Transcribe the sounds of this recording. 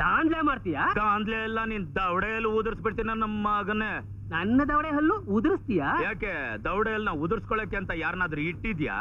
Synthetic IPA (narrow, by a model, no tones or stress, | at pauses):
aːnd̪leːmaːɽt̪ijaːɡaːnd̪leɐlːɐniːnd̪ɐwɽejɐlːuud̪ɾisbiʈt̪iːnɐnɐmːaːɡɐne | nɐnːɐd̪ɐʋɽeɦɐlːuud̪ɾist̪ijaːjaːked̪ɐwɽejɐlnɐud̪ɾiskoɭeːkeɐnt̪ɐjaːɾnaːd̪ɐɾuiʈːid̪ja̰ː